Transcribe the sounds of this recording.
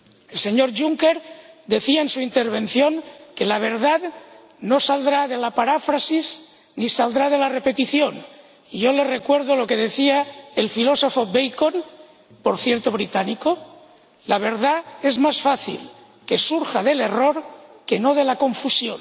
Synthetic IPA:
else̞ɲo̞ɾʝuŋke̞ɾd̪e̞θiaensuint̪eɾβ̞ẽ̞nθjo̞ŋke̞laβ̞e̞ɾðað | no̞sald̪ɾaðe̞lapaɾafɾasiz | nisald̪ɾað̞e̞lare̞pe̞t̪iθjo̞n | iʝole̞re̞kwe̞ɾð̞olo̞ke̞ðe̞θiaelfilo̞so̞fobejkon | po̞ɾθjeɾt̪oβ̞ɾit̪aniko | laβ̞e̞ɾðae̞zmasfaθḭl | ke̞suɾxaðe̞le̞ro̞ɾke̞no̞ð̞e̞lakõ̞ɱfusjon

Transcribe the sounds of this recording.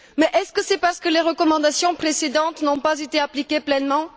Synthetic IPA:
mɛʔɛskəsɛpaʁsə̥kəleʁəkɔmɑ̃d̪asjɔ̃pχesed̪ɑ̃t̪nɔ̃pazet̪eaplikʲeplɛnmɑ̃

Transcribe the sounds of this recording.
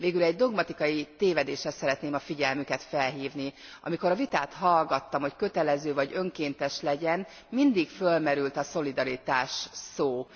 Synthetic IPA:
veːɡylɛɟd̪o̞ɡmɒt̪ikɒjit̪eːvɛd̪eːʃɛsɛɾɛt̪neːmɒfiɟɛlmykɛt̪fɛlɦiːvniɒ̰miko̞ɾɒvit̪aːt̪hɒlɡɒt̪ːɒmho̞ckø̞t̪ɛlɛzøːvɒɟø̞ŋkeːnt̪ɛʃlɛɟɛn | mind̪ikfølmɛɾylt̪ɒso̞lid̪ɒɾit̪aːʃsoː

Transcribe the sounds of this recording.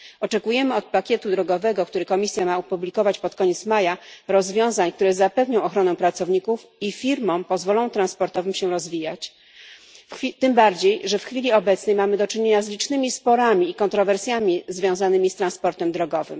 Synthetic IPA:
ɔt͡ʂɛkujɛmɘɔt̪̚pakʲɛt̪ud̪ɾɔɡɔvɛɡɔkt̪uɾɘkɔmʲisʲjamaupublʲikɔvat͡ɕpɔt̪kɔɲeɛt̪smajaɾɔzvʲjɔ̃w̃zaɲkt̪uɾɛzapɛvɲɔ̃w̃ɔxɾɔnɛpɾat̪sɔvɲikufifʲiɾmɔ̃w̃pɔzvɔlɔ̃w̃t̪ɾanspɔɾt̪ɔvɘmɕɛɾɔzvʲijat͡ɕ | t̪ɘmbaɾd͡ʑejʐɛfxfʲilʲiɔbɛt̪snɛjmamɘd̪ɔt͡ʂɘɲeɲazlʲit͡ʂnɘmʲispɔɾamʲiːkɔnt̪ɾɔvɛɾsʲjamʲizvʲjɔ̃w̃zanɘmʲist̪ɾanspɔɾt̪ɛmd̪ɾɔɡɔvɘ̰m

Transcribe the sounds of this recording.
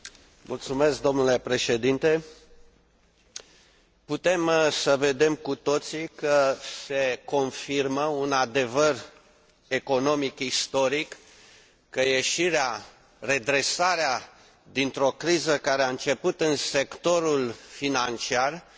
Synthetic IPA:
mult̪sume̞sk̚d̪o̞mnule̞pɾe̞ʃe̞d̪int̪e̞ | put̪e̞msəve̞d̪e̞mkut̪o̞t̪sikəse̞ko̞nfirməunad̪e̞vər | e̞ko̞no̞mikist̪o̞ɾikː | əje̞ʃiɾea | re̞d̪ɾe̞saɾea | d̪int̪ɾo̞kɾizəkaɾeaɨnt͡ʃe̞put̪ɨnse̞kt̪o̞ɾulfinant͡ʃiar

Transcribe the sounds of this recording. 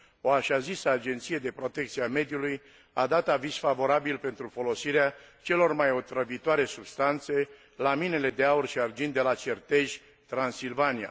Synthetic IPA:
o̞aʃazisəad͡ʒe̞nt̪sije̞d̪e̞pɾo̞t̪e̞k̚t̪siame̞d̪juluj | ad̪at̪aviz̥favo̞ɾabilpe̞nt̪ɾufo̞lo̞siɾeat͡ʃe̞lo̞rmajo̞t̪ɾəvit̪oaɾe̞subst̪ant̪se̞ | lamine̞le̞d̪e̞aurʃiard͡ʒind̪e̞lat͡ʃert̪e̞ʒʲ | t̪ɾansilvania̰

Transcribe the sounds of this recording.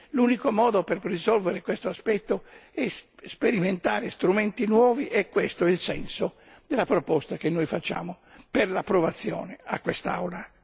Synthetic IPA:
luːnikomɔːd̪operrizɔlveɾekwest̪oaspɛt̪ːoɛsspeɾiment̪aːɾest̪ɾumɛnt̪inwɔːviʔɛkːwest̪oilsɛ̰nso | d̪elapɾopɔst̪akenːojfat͡ʃːa̰ːmo | perlapːɾovat̪sːjɔ̰ːnea̰kːwest̪a̰wla

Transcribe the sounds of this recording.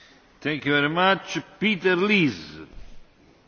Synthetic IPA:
t̪ɛ̃ŋkjuvɛɾimat͡ʃpit̪ɛɾliz

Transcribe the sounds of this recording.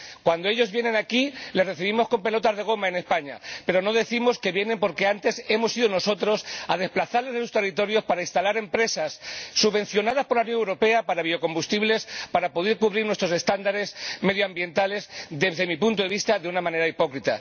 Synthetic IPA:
kwand̪oe̞ʝo̞zβjene̞nakilereθiβ̞imo̞sko̞mpe̞lo̞t̪azðe̞ɣ̞o̞maene̞spaɲa̰pe̞ɾo̞no̞ðe̞θimo̞ske̞βje̞ne̞mpo̞ɾke̞ant̪e̞se̞mo̞siðono̞so̞t̪ɾo̞sað̞e̞splaθaɾle̞zðesu̥st̪e̞rit̪o̞ɾjo̞spaɾaist̪alaɾe̞mpɾe̞sasːuβe̞n̟θjo̞nað̞aspo̞ɾlaunjonewɾo̞pe̞apaɾaβio̞ko̞mbust̪iβle̞spaɾapo̞ðeɾkuβɾiɾnwest̪ɾo̞se̞st̪and̪aɾe̞sme̞ðjoambje̞nt̪ale̞zðezðemipunt̪oeβist̪aðeunamãne̞ɾaipo̞kɾit̪a̰

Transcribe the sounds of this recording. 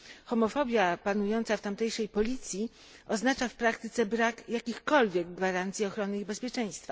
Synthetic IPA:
xɔmɔfɔbʲjapanujɔnt̪saft̪amt̪ɛjʂɛjpɔlʲit̪sʲji | ɔznat͡ʂafpɾakt̪ɘt̪sɛbɾakjakʲixkɔlvʲjɛɡɡvaɾant̪sʲiɔxɾɔnɘibɛspʲjɛt͡ʂɛj̃st̪fa

